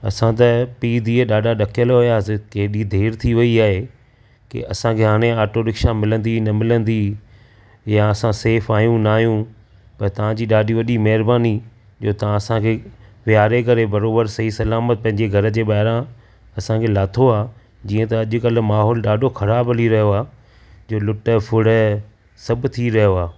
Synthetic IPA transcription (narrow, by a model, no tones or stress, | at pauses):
ɐ̰sãt̪̬ɐpiːd̪ʱiːəɗaːɖaɗɐkʰijəlɦʊjaːsɪkeːɗid̪ʱeːɾt̪ʰiʋɐiaːɦe | kḭɐsãkʰeɦaːɽ̃ẽaːɾʈoɗɪkʃãmɪlə̃nd̪inɐmɪlə̃nd̪i | jaɐsãseːfaːjũnaːɦjũ | pɐɾt̪ɐʋ̤ãd͡ʑiːɗaːɖiʋɐɗimɐɦɪɾbaːni | d͡ʑoːt̪ɐãɐsãkʰeʋɪjaːɾek̬ɐɾebɐɾoːbəɾsɐɦisɐlaːmət̪̚pɐ̃ɦɪ̃ɲd͡ʑeɡʱɐɾə̆d͡ʑeːɓaːɪɾã | ɐsãkʰeːlaːt̪ʰoaː | d͡ʑiːə̃t̪ɐːʄʊ̆kɐl̆maːɦɔːlɗaːɖʱoxʰɐɾaːbɐliɾɐɦjoaː | d͡ʑoːlʊʈəfʰʊɽ̤ə | sɐbʱt̪ʰiɾɐɦjoaː